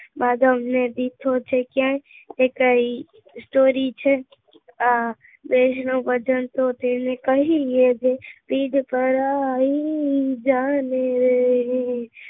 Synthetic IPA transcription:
baːd̪ʱəmned̪it̪ʰot͡ʃʰekjãekəi | sʈoːɾit͡ʃʰɛ | a | b̪esnobət͡ʃənt̪ot̪enekəɦijed͡ʒepiːɖpəɾaid͡ʒaneɾee

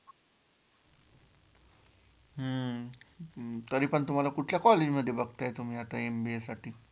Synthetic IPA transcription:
ɦə | t̪əɾiːpəɳt̪um̤alakuʈʰljakɔled͡ʑməd̪ʱːjebəɡt̪ajet̪um̤iːat̪aembiesaʈʰiː

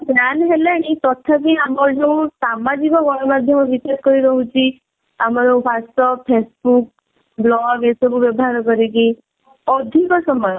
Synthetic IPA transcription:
bjanɦeleɽ̃it̪ɔt̪ʰakiamɔɾd͡ʒeũsamad͡ʒikɔɡɔɽ̃ɔmad̪ʱjɔmɔ̃ʋipet̪̚kɔɾiɾɔɦũt͡ʃʰi | amɔɾẽpʰast̪ɔpʰesbuk̚ | blɔɡesɔbuʋjɔbɔɦaɾkɔɾiɡi | ɔd̪ʱikɔsɔmɔjɔ

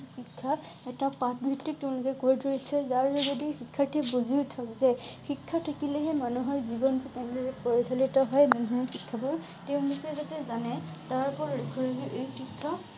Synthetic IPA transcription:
xikʰːa | ɛtapat̚bʱitːik̚tɛʊ̃lʊkɛkoɹitʰoɹisɛzaɹzɔzodixikʰːatʰɛbuzitʰakzɛxikʰːatʰakilɛɦɛmanuɦɔɹzibɔntusɛñliɛpɔɹisalitɔɦɔjmaɔxikʰːabɔɹ | teʊ̃lukɛzatɛzanɛ | taɹpɔɹɹekʰuɹaɡiʔejxikʰːɔ

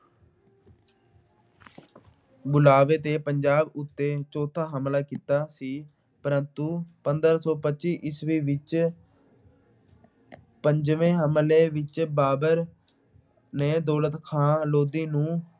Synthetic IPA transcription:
bʊlaːʋeːt̪eːpəɲd͡ʒaːbʊt̪ːeːt͡ʃɔːt̪ʰːaːɦəmlaːkiːt̪aːsiː | pəɾənt̪uːpənd̪əɾsɔːpətːt͡ʃʃiːʔɪsʋiːʋɪt͡ʃ | pəɲd͡ʒʋẽːɦəmleːʋɪt͡ʃbaːbəɾ | neːd̪oːlət̪kʰãːloːd̪iːnũː

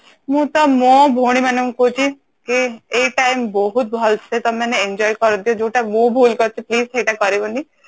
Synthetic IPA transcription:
mũt̪ɔmõbʱuɽ̃imɛneũkot͡ʃʰi | kieʈajmbɔɦut̪̚bʱɔlsʰet̪ɔmɛneend͡ʒɔːjkɔɾod̪ijod͡ʒoʈamõbʱuːlkɔɾt͡ʃʰipliːzʈeʈakɔɾeboni

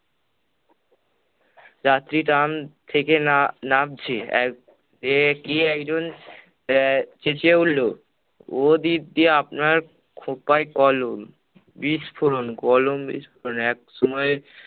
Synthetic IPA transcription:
d͡ʑat̪ːɾiʈamt̪ʰekennap̚t͡ɕʰeɛ̰ | ekiɛkd͡ʑon | t͡ɕet͡ɕeulːo | od̪iɾd̪ieapnaɾ | kʰopaekɔlom | biʃpʰoɾonkɔlombḭʃpʰoɾonɛk̚ʃɔmɔe

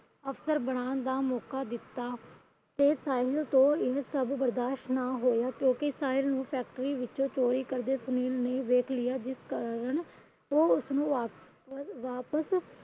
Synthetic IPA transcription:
əfsəɾbəɽ̃aːnd̪aːmɔːkaːd̪ɪt̪ːaː | t̪eːsaːɪɪlt̪õːɪɦsəbbəɾd̪aːʃʈnaːɦoːjaːkjõːkesaːɪlnũːpʰɛːk̚ʈəɾiːʋɪt͡ʃõːt͡ʃoːɾiːkəɾd̪eːsʊniːlneːʋeːkʰlɪjaːd͡ʒɪskəɾəɳ | oːʊsnũːaː | ʋaːpəs

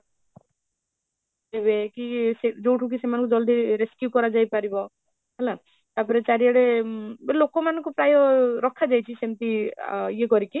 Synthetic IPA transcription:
ebekised͡ʒowʈʰukisemanɔŋkud͡ʒɔld̪ʱiɾeskjukɔɾad͡ʒajpaɾibɔ | ɦɔla | t̪apɔɾet͡ʃaɾiaɽebelokɔmanɔ̃ŋkupɾajɔɾɔkʰːad͡ʒajt͡ʃʰisemt̪ijeɡɔɾiki

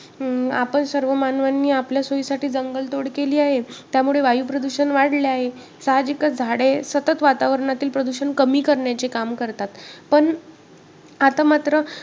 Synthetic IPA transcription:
apəɳsəɾʋəmanʋanːiːapljasojsaʈiːd͡zəŋɡəlt̪oɽkeliːaɦet̪jamuɭeʋajuːpɾəd̪uɕənʋaɽleaɦe | saɦad͡ʑikəd͡zʱaɽesət̪ət̪ʋat̪aʋəɾɳat̪iːlpɾəd̪uɕənkəmiːkəɾɳjat͡sekamkəɾt̪at̪pəɳ | at̪amat̪ɾə

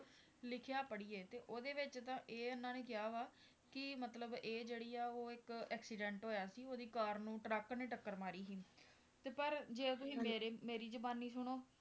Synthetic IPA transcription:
lɪkʰjaːpəɽiːeːt̪eːʔoːd̪eːʋɪt͡ʃt̪ãːʔeːʊnːãːnẽːkɪjaːʋaː | kɪmət̪ləbeːd͡ʒeːɽiːaːoːɪkɛːksiːɖɛ̃ːɳʈɦoːjaːsiːoːd̪iːkaːɾnũːʈɾəknẽːʈəkːəɾmaːɾiːsiː | t̪eːpəɾd͡ʒeːt̪̬ʊsĩːmeːɾeːmeːɾiːd͡ʒəbaːnːiːsʊɳ̃oː

